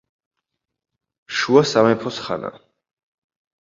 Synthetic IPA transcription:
ʃuasamɛpʰɔsχa̰na̰

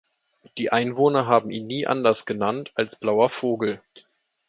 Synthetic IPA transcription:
d̥iːʔaɪnvoːnɐɦaːbm̩ʔiːnːiːʔa̰ndɐsɡ̥ənantʰalsb̥laʊɐfoːɡl̩

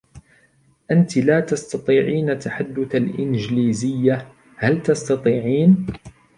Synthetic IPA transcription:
ʔant̪laːt̪ɑst̪ɑt̪ˤiːʕiːnat̪ːaħad̪ːʊθalʔɪnd͡ʒliːzɪjːa | halt̪ɑst̪ɑt̪ˤiːʕiːn

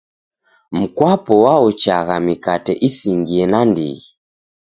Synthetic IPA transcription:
m̩kwapɔwaɔt͡ʃaɣamikatɛʔisiŋɡiɛnandḭɣi

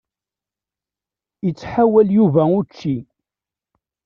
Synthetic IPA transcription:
jət͡sːħawæljuvæʊt͡ʃːi

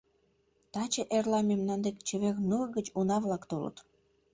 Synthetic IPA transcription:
t̪ɑt͡ɕəʔerlɑmemnɑnd̪ekt͡ɕə̆βeknurɡət͡ɕunɑβlɑkt̪olə̰t̪

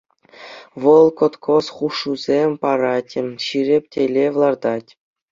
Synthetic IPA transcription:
ʋɤ̆lˠkot̪kʰosχuʂːuzʲemʲpɑɾɑtʲɘ̆ɕiɾʲĕpʲtʲelʲeʋlˠɑrd̪ɑtʲ

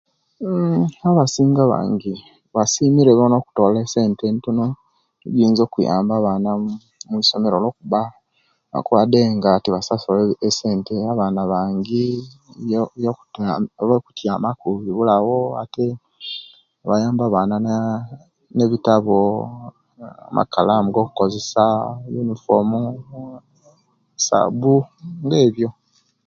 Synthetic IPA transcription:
aβasiːŋɡaβa̰ːŋɡi | βasimiɾeβono̞ku̥to̞ːlese̞ːntentuno | iɡiːnzo̞ːkuja̰ːmbaβana | muiso̞meɾolo̞ːkuβa | βa̰kwade̞ŋɡatiβasasolese̞ːnteaβaːnaβaːŋɡi | jo | lweku̥tjamakuβiβulawoa̰te | βajaːmbaːβaːna | ne̞βitaβo | a̰mʔa̰kalamuɡo̞ːku̥kozesajunifomu | sa̰buŋɡeːβjo̞

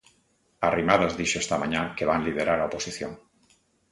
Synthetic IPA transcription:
arimað̞azðiʃoest̪amãɲakeβ̞anlið̞eɾaɾaoposiθjoŋ

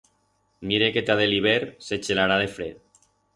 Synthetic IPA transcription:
miɾeket̪aðeliβeɾse̞t͡ʃelaɾaðefɾeð

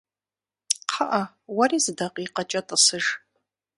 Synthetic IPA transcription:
qʰaʔa | warizɨdaqʼiqat͡ʃʼatʼasɨʒ

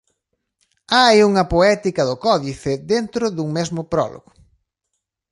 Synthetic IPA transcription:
ajuŋɐpoɛt̪ikɐðʊkɔðifɪd̪ent̪ɾʊðuŋmezmʊpɾɔ̰lʔo̰ɣʊ

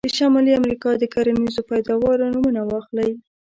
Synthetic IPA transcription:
d̪̥əʃɑmɑliamɾikɑd̪əkaɾanizopajd̪ɑwɑɾonumunawɑxlaj

